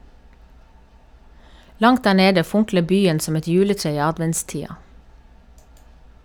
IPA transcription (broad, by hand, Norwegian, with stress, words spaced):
ˈlɑŋt ˈdæː ˈɳeːdə ˈfʊŋklə ˈbyːən ˈsɔm ˈɛt ˈjʉːləˌtɹeː ˈiː ˈɑdʋɛntˌstiːɑ